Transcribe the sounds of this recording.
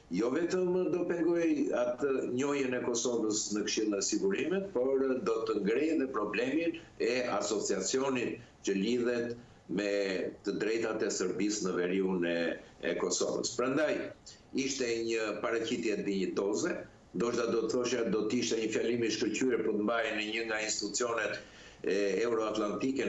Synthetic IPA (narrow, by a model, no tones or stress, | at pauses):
jɔvɛt̪əmd̪ɔpɛŋɡɔjat̪əɲɔjənɛkɔsɔvəsnəkʃilˠɛsiɡuɾimɛt̪̚pɔɾd̪ɔt̪əŋɡɾɛjðɛpɾɔblɛmin | ɛasɔt͡siat͡siɔnit̪̚ | cəliðɛt̪ | mɛːəd̪ɾɛjt̪at̪ɛsəɾbisnəvɛɾiunɛɛ̰kɔsɔ̰və̰spɾand̪aj | iʃt̪ɛɲəpaɾat͡ɕit̪jɛd̪iɲət̪ɔzɛ | nd̪ɔʃt̪ad̪ɔt̪əθɔʃad̪ɔt̪əiʃt̪ɛɲəfjalimiʃkəɾcyɛɾpəɾt̪əmbajnəɲəŋɡainst̪it̪ut͡siɔnɛt̪ | ɛuɾɔat̪lant̪ikɛ